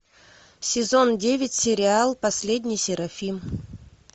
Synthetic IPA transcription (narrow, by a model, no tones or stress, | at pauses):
sʲɪzo̞ndʲevʲɪtʲsʲɪɾʲɪalˠpɐsʲlʲedʲnʲɪjsʲɪɾɐfʲim